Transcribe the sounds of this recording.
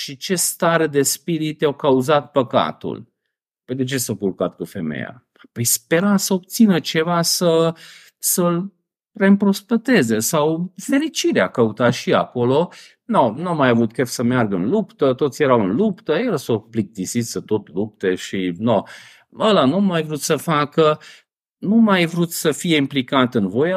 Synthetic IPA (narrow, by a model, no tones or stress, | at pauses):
ʃit͡ʃe̞st̪aɾed̪e̞spiɾit̪jawkauzat̪̚pəka̰t̪ṵl | ped̪et͡ʃe̞sakurkat̪kufe̞mḛja̰ | pəjspe̞ɾasəob̚t̪sinət͡ʃe̞vasə | səl | re̞ɨmpɾo̞spet̪e̞zesawfe̞ɾit͡ʃiɾeakəut̪aʃia̰ko̞lo̞ | nonuamːajavut̪kefsəmearɡəɨnlupt̪ət̪ot̪sjeɾawɨnlupt̪əjeɾəsoplik̚t̪isit̪sət̪o̞t̪lup̚t̪e̞ʃino | əlanumajvɾut̪səfakə | numajvɾut̪səfije̞implikat̪ɨnvo̞ja